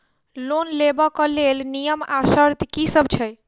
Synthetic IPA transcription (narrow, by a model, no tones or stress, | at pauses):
lonlebɔkəlelnijəmasəɾt̪kisəbt͡ʃʰəj